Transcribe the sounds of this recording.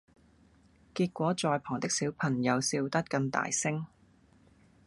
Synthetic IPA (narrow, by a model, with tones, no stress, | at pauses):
kiː˧t̚kʷɔː˨˥t͡sɔː˧jpʰɔː˨˩ŋt̪ɪ˥k̚siː˨˥wpʰɐ˨˩ŋjɐ˨˧wsiː˧wt̪ɐ˥t̚kɐ˧nt̪a̰ː˨jsɪ˥ŋ